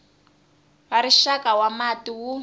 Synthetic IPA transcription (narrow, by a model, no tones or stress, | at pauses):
βaɾiʃakawamatiwu